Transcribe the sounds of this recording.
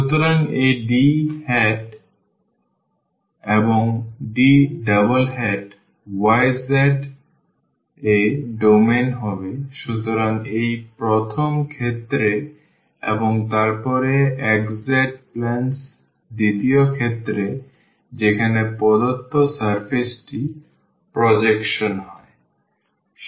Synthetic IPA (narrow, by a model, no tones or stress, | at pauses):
ʃut̪oɾaŋeɖihɛʈ | eboŋɖiɖabolɦɛʈ | wajzɛɖ | eɖomenɦɔbeʃut̪oɾaŋejpɾot̪ʰomkʰet̪ːɾe | ḛboŋt̪aɾpɔɾeɛkzeɖ̚plɛns | d̪it̪iokʰet̪ːɾe | d͡ʑekʰanepɔd̪ot̪ːosaɾfʰesʈi | pɾod͡ʑekʃonɦɔe